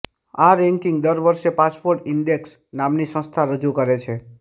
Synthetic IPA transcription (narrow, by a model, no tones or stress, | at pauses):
aɾɛ̃ŋkĩŋɡd̪əɾʋəɾʃepaspoɾʈɪɳɖeksnamnisə̃st̪ʰaɾəd͡ʒukəɾet͡ʃʰe